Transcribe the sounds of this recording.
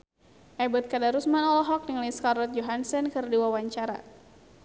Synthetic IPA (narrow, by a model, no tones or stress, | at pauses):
ʔɛbɔt̪̚kadaɾusmanɔlɔɦɔk̚niŋliskarlɔt̪̚d͡ʒɔɦansɛnkɨrdiwawaɲt͡ʃaɾa̰